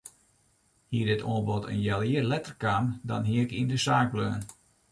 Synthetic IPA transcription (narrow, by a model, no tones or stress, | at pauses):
hiədɪtʰɔːnbɔtʰə̰njɛlˠiːərlɛtərkaːmdɔ̰nɦiəkindəsaːk̚bløːn